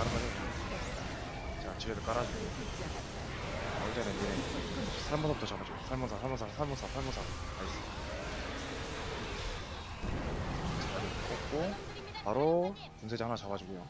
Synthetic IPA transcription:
aɾɯnmaɾi | t͡ɕat͡ɕiɾedok͈aɾad͡ʑio | ʌɭt͈enɯnesʰaɭmosʰabutʰʌt͡ɕabad͡ʑiɡuosʰaɭmunsʰasʰaɭmonsʰasʰaɭmosʰasʰaɭmosʰa | kais͈ɯi | aɡedk͈ʰop̚k͈o | paɾo | kunsʰed͡ʑiɦanat͡ɕabad͡ʑiɡujo

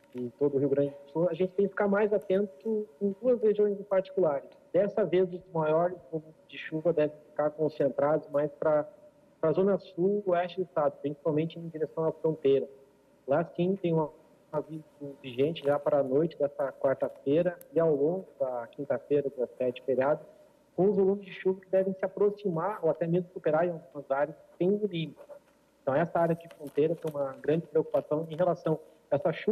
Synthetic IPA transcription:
ɪt̪od̪ʊɦiuwɡɾɐ̃nd͡ʒɪesoɐʒẽnt͡ʃɪ̥t̪ẽkɪfi̥kaɾmajzat̪ẽnt̪ʊẽj̃d̪uɐsheʒiõj̃zẽpaɾt͡ʃi̥kulaɾɪsd̪̥ɛsɐvezumajɔɾɪskõmud͡ʒɪʃuvɐd̪ɛvẽfi̥kaɾkõsẽnt̪ɾad̪ʊzmajspɾɐ | pɾɐzõnɐsuɛst͡ʃɪd̪ʊɪst̪ad̪ʊpɾĩsi̥pawmẽnt͡ʃɪẽd͡ʒiɾesɐ̃w̃ɐfɾõnt̪ejɾɐ | lasĩt̪ẽj̃ũmɐ | ɐvi | ʊviʒẽnt͡ʃɪʒapaɾɐnojt͡ʃɪd̪ɛsɐkwaɾt̪ɐfeɾɐɪawlõŋɡʊd̪ɐkĩnt̪ɐfeɾɐd̪ɐssɛt͡ʃɪ̥feɾiad̪ʊ | kõʊzvolũmɪzd͡ʒɪʃuvɐkɪd̪ɛvẽj̃sɪapɾosimaɾoat̪ɛmezmʊsupeɾaɾẽawɡũmɐzaɾjɐssẽj̃d̪ʊnĩmʊnɛ | ẽt̪ɐ̃w̃ɛsɐaɾjɐd͡ʒɪfɾõnt̪ejɾɐt̪ẽj̃ũmɐɡɾɐ̃nd͡ʒɪpɾeoku̥pasɐ̃w̃ẽɦelasɐ̃w̃ | ɛsɐʃu

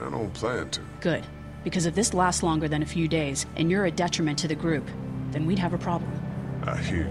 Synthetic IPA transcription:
ə̰̃nõ̰ʊ̃npʰl̥æ̃ntʰɨɡ̥ʊd̚ | b̥ɨkʰʌzʌvðɪslæstˡlɔ̃ŋɡə˞ðɨ̃nɨfjʉdeɪzʔɨ̰̃njə˞ɨdɛt͡ʃɹ̥ɨmɨ̃ntʰɨðɨɡɹʉpðɨ̃nwid̚ɨvɨpʰɹ̥ɑblə̰̃m̩ʔa̰hi

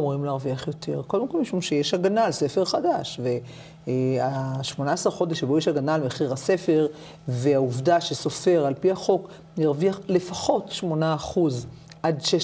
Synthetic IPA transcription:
muʁimleaʁviaχjo̞tʰe̞̰ʁko̞ldemko̞lmiʃumʃejeʃaɡanalse̞feʁχadaʃve̞ | aʃmo̞naːsaʁχo̞d̪eʃebojeʃaɡanalmeχiʁase̞fe̞ʁ | ve̞auvdaʃeso̞fe̞ʁalpiaχo̞k | niʁviaχle̞faχo̞tʃmo̞naːχuz | ʔadʃe

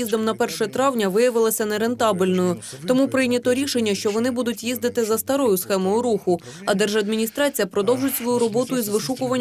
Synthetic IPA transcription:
izd̪ɔmnɐpɛrʃɛt̪ɾɑwnʲɐʋɪjɐʋɪlˠɐsʲɐnɛɾent̪ɑbɪlʲnɔjʊt̪ɔmupɾɪjnʲɐt̪ɔɾʲiʃenʲːɐʃt͡ʃɔʋɔnɪbud̪ʊtʲjizd̪ɪt̪ɪzɐst̪ɐɾɔjʊsxɛmɔjʊɾuxʊ | ɐd̪ɛrʒɐd̪mʲinʲist̪ɾɑt͡sʲijɐpɾɔd̪ɔwʒʊtʲsʋɔjuɾɔbɔt̪ʊizʋɪʃukʊʋɐnʲː

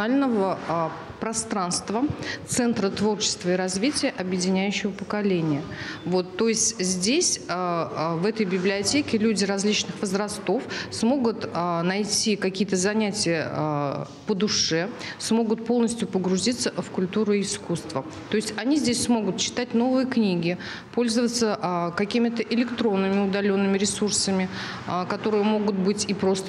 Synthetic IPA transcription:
alʲnəvə | pɾɐst̪ɾanst̪vət̪sɛnt̪ɾət̪vo̞rt͡ɕɪ̥st̪vəɪɾɐzvʲitʲɪjəʔɐbjɪdʲɪnʲæjʉɕːɪvəpəkɐlʲenʲɪjə | vo̞t̪ːo̞ɪsʲtʲzʲdʲesʲəvɛt̪əjbʲɪblʲɪɐtʲekʲɪlʲudʲɪɾɐzʲlʲit͡ɕnɨxvəzrɐst̪o̞fsmo̞ɡʊt̪ənɐjtʲikɐkʲijət̪əzɐnʲætʲɪjə | pəd̪ʊʂɛsmo̞ɡʊt̪̚po̞lˠnəsʲtʲjʊpəɡɾʊzʲit̪səfkʊlʲt̪uɾɨːskust̪və | t̪o̞ɪsʲtʲɐnʲizʲdʲesʲsmo̞ɡʊt̪t͡ɕɪ̥t̪atʲno̞vɨjəknʲiɡʲɪ | po̞lʲzəvət̪səʔkɐkʲimʲɪt̪əʔɪlʲɪkt̪ɾo̞nːɨmʲɪʊd̪ɐlʲo̞nːɨmʲɪɾʲɪsursəmʲɪ | kɐt̪o̞ɾɨjəmo̞ɡʊt̪bɨtʲɪpɾo̞st̪ə

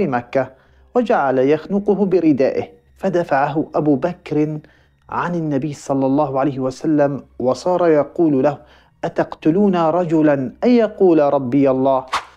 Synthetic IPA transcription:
imakːa | wad͡ʒaʕalajaxnʊqʊhʊbɪɾɪd̪a̰ːʔɪ̰h | fad̪afaʕaɦʊʔabuːbakɾ | ʕanɪnːabɪjːsˤɑlːɑlˤːɑːhʊʕalajhɪwasalːamwɑsˤɑːɾˤɑjɑquːllahʊ | ʔat̪ɑqt̪ʊluːnaɾˤɑd͡ʒʊlanʔajjɑquːlaɾˤɑbːɪjalˤːɑːh

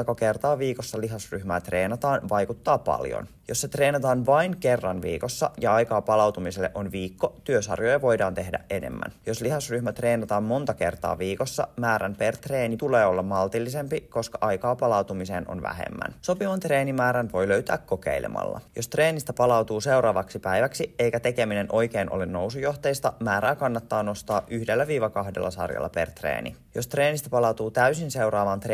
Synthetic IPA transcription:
kɑkert̪ɑːʋiːkosːɑliɦɑsryhmæːt̪re̞ːnɑt̪ɑːnʋɑjkut̪ːɑːpɑ̰ljo̰n | josːet̪reːnɑt̪ɑːnʋɑinkerːɑnʋḭːkosːɑjɑɑjkɑːpɑlɑwt̪umiselːḛʔonʋiːkːot̪yøsɑ̰rjojɑʋo̞jdɑːnt̪e̞hdæ̰ʔenḛmːæ̰njo̞sliɦɑsryhmæt̪re̞ːnɑt̪ɑːmmo̞nt̪ɑke̞̰rt̪ɑ̰ːʋiːko̞sːɑ̰mæːɾænpert̪reːnit̪uleːo̞lːɑmmɑlt̪ilːise̞mpiko̞skɑʔɑjkɑːpɑlɑwt̪umiseːno̰nʋæ̰hḛmːæ̰nso̞piʋɑnt̪reːnimæːɾænʋo̞jløyɥt̪æ̰ːkkːo̞kḛilḛmʔɑ̰lːɑ̰jost̪reːnist̪æpɑlɑwt̪uːsewɾɑːʋɑksipæjʋæksie̞jkæt̪e̞ke̞mine̞nʔo̞jk̟einʔo̰lenno̞wsujo̞ht̪ejst̪ɑmæːɾæːkɑnːɑt̪ːɑːno̞st̪ɑːʔyhdelːæʋiːʋɑkɑhdḛlːɑ̰sɑ̰rjɑ̰lːɑ̰pḛrt̪rḛːnḭ | jost̪reːnist̪æpɑlɑwt̪uːt̪æysinse̞uɾɑːʋɑːnt̪r

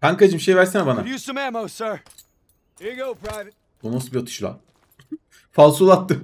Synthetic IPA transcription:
bankad͡ʒɯmʃejvæɾsinabanajusə̃mæmoʊsɜ˞ | iɡoʊpʰɹaɪv | bunosubiot̪ʰu̥ʃlˠa̰ | falˠsulˠat̪ːɯ

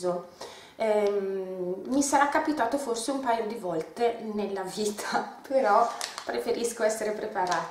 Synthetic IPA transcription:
zo | ɛ | misaɾakːapit̪aːt̪oforseumpaːjod̪ivɔlt̪enelːaviːt̪ʰḁpeɾɔpɾefeɾiskoɛsːeɾepɾepaɾaː

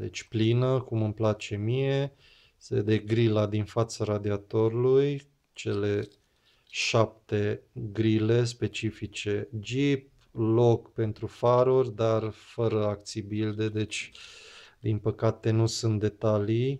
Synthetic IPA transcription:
d̪e̞̰t͡ʃʲplinəkumɨmplat͡ʃe̞mije̞ | sḛd̪eɡɾilad̪infat̪saɾad̪iat̪o̞ɾuluj | t͡ʃe̞le̞ | ʃap̚t̪e̞ɡɾile̞s̬pe̞t͡ʃifit͡ʃe̞d͡ʒip̚ | lo̞kpe̞nt̪ɾufaɾurʲd̪arfəɾəak̚t̪sijbild̪e̞d̪e̞t͡ʃʲ | d̪inpəkat̪e̞nusunt̪̚d̪e̞t̪alij

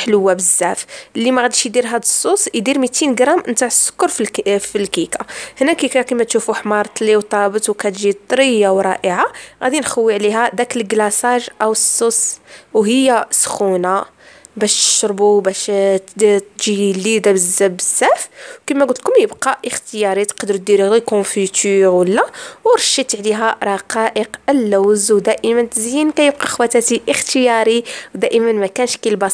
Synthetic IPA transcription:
ħləwːæbəzːæflːimæɣæd̪iʃjd̪iɾɦæd̪əsˤːusjd̪iɾmit̪inɡɾˤɑmnt̪aʕsːə̥kːʊɾffilkikahnækikækimæt̪ʃufuħmɑɾˤt̪ˤliwt̪ˤɑbət̪wkæt̪ʒit̪ˤɾəjːawɾˤɑ̰ʔəʕaɣæ̰d̪inxəwːiʕliɦæd̪ækəlɡlæsɑʒʔæwəsːoswɦəjːæsxuna | bæʃt̪ə̥ʃɾˤbubæʃ | t̪ʒilːid̪abəzæbəzːæfkimæɡʊlt̪lkʊmjəbqɑʔəxt̪əjɑɾit̪qɑd̪ɾt̪̚d̪iɾiɣikɔ̃fit̪yɾwəlːæwɾˤɑʃːit̪ʕliɦæɾˤɑqɑʔəqəlːæwzwd̪æʔəmənt̪zjənkæjəb̚qɑxwæt̪æt̪iʔəxt̪əjɑɾiwd̪æʔəmənmækænʃkilbɑs

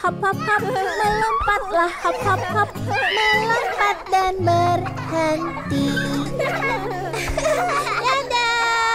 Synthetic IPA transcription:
hɔp̚hɔp̚hɔp̚mələmpat̪̚lahhɔp̚hɔp̚hɔp̚mələmpat̪̚danbər | hənt̪i | jada

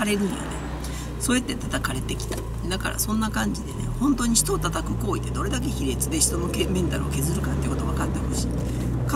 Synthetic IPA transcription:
aɾe̞ɾɯ̟njo̰nḛ | so̞ːet̪ːe̞t̪at̪akaɾe̞t̪e̞kʲi̥t̪ḁ | d̪aka̰ɾa̰sõ̞nːakãɲ̟d͡ʑid̪e̞̰ne̞̰hõ̞nt̪o̞ːɲ̟iɕi̥t̪oːt̪at̪akɯ̟̥ko̞ːid̪ed̪o̞ɾe̞d̪ak̬e̞çiɾe̞t͡sɨd̪e̞ɕi̥t̪o̞nokemẽ̞nt̪aɾɯ̟̰o̰ke̞zɨɾɯ̟kat̪ːeiko̞t̪oβakat̪ːe̞hoɕi̥ː | ka

